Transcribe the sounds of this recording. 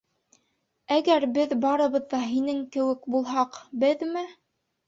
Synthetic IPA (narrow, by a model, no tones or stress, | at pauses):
æɡæɾbɘðbɑɾɤ̆βɤ̆ðːɑɦinɘŋkɘ̆wɘkbulˠɦɑqbɘðmɘ